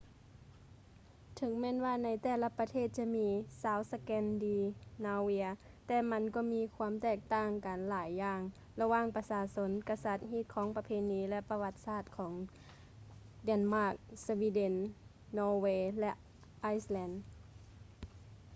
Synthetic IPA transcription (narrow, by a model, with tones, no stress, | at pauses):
t̪ʰɯ˨˦ŋmɛː˧˥˨nwaː˧˨na˧˥jt̪ɛː˧˩la˧pa˧t̪ʰeː˥˨t̪̚t͡ɕa˧˥miː˧˥saː˨˥wsa˧kɛː˧ndiː˧naː˧wi˧˥ɐ | t̪ɛː˧˩ma˧˥nkɔː˧˩miː˧˥kʰu˧˥əmt̪ɛː˧˩k̚t̪aː˧˩ŋkaː˨nlaː˨˦jːaː˧˩ŋ | la˧waː˧˥˨ŋpa˧saː˧so˧˥nka˧sa˧˦t̪̚ɦiː˧˥˩t̪̚kʰɔː˨˦ŋpa˧pʰeː˧˥niː˧˥lɛ˧pa˧wa˧t̪̚saː˧˩t̪̚kʰɔː˩˦ŋ | dɛ˧˩˨nmaː˧˩k̚swiː˧˥de˧˥nː | ɔː˧weː˧lɛ˧ʔ | ʔaː˧˥jslɛː˧˥n